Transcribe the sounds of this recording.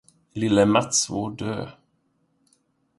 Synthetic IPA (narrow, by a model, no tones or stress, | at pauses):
lɪlːəmat̪svoɖø̰ː